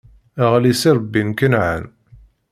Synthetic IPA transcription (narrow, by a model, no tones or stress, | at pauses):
æʁlisiɾˤbːinkənʕa̰n